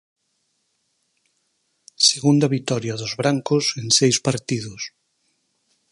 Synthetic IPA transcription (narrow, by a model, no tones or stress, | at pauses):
seɣund̪aβit̪ɔɾjaðʊzβɾaŋkʊseŋsejspaɾt̪iðʊs